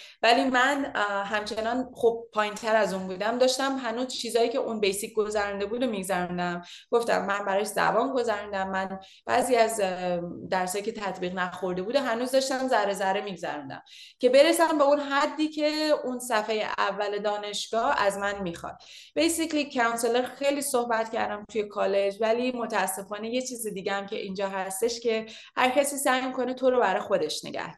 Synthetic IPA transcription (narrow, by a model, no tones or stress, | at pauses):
vælimænɦæmt͡ʃʰenɒːnχob̚pʰːɒːjint̪ʰæɾæzunbuːd̪æmd̪ɒːʃt̪æmɦænuːzt͡ʃʰiːzɒːjiːcʰe̞ʔunbejsic̚ʰɡozæɾund̪e̞bud̪omiɡzæɾund̪æm | ɡ̥o̞ft̪æ̰mːænbæɾɒzæ̰bɒːnɡo̞zæɾund̪æmːæn | b̥æ̰ːziːæz | d̪æɾsɒːjicʰe̞t̪ʰæt̪ʰbiːɣnæxo̞ɾd̪e̞buːd̪eɦænuːzd̪ɒʃt̪æmzæɾezæɾemiːɡzæ̰ɾund̪æ̰m | ce̞be̞ɾesæmbe̞unɦæd̪ːiːcʰe̞unsæfejḛʔævːæle̞d̪ɒːne̞ʃɡ̥ɒːhæzmænmixɒ̰d̪̥̚ | b̥e̞jsiklikʰːæunseleɾxejliːso̞hbæt̪cʰæ̰ɾd̪æmt̪ʰuje̞kʰɒːle̞d͡ʒvælimo̞t̪ʰæːsːe̞fɒːne̞jet͡ʃʰiːzed̪iːɟeæmcʰe̞ʔiːnd͡ʒɒːɦæst̪e̞ʃce̞ | hæɾcʰæsiːsæjmiko̞net̪ʰo̞ɾobæɾɒjxo̞d̪e̞ʃnḛɡæ̰hd̪